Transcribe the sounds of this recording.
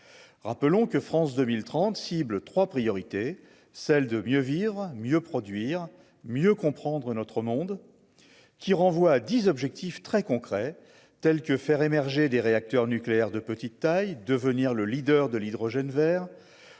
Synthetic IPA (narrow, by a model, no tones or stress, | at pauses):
ʁapəlɔ̃kəfχɑ̃sd̪əmilt̪χɑ̃t̪siblt̪χwapχijɔʁit̪e | sɛld̪əmjøvivʁmjøpχɔd̪ɥiʁ | mjøkɔ̃pχɑ̃d̪ʁənɔt̪χəmɔ̃d̪ | kʲiʁɑ̃vwaːd̪izɔbʒɛk̚t̪ift̪χɛkɔ̃kχɛ | t̪ɛlkəfɛʁemɛʁʒed̪eʁeak̚t̪œʁnykleɛʁd̪əpət̪it̪ːajd̪əvəniʁləlid̪œʁd̪əlid̪ʁɔʒɛnvɛːʁ